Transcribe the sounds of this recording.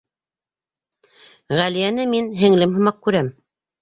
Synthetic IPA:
ʁælijænɘminɦɘ̆ŋlɘmɦɤ̆mɑq̚kʉɾæm

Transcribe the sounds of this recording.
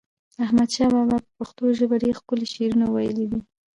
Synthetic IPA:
ahmad̪ʃɑbabapəpaxt̪oʒəbaɖeɾxpəleʃeɾunawajəlid̪i

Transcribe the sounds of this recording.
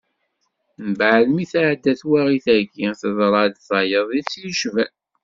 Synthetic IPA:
nbʕlmiθaʕd̪ːæθwaʁiθæɾɡiθəðˤɾˤɑd̪θɑjəðˤisjʃvæ

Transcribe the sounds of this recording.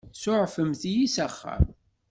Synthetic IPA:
sʊʕfəmθijisæχːa̰m

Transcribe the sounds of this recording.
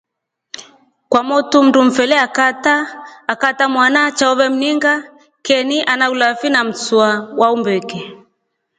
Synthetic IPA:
kwamɔtum̩dum̩fɛlɛakataːkatamwanat͡ʃaɔβɛm̩niŋɡa | kɛniʔanaulafinam̩t͡suawaumbɛkɛ

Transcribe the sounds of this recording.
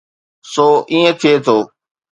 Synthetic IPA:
soːʔĩːẽt̪ʰɪeːt̪ʰoː

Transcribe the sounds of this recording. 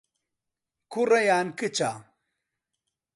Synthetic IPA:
kʰurɐjaːnkɨt͡ʃaː

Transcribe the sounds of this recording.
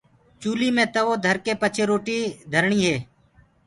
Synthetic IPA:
t͡ʃuːliːmẽːt̪əʋoːd̪ʱəɾkeːpət͡ʃʰeːɾoːʈiːd̪ʱəɾɳiːɦeː

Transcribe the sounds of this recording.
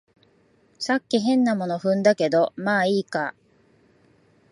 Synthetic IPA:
sakʲːiɦẽ̞nːamo̞no̞ɸɯ̟̃nd̪ake̞d̪o̞maːiːka

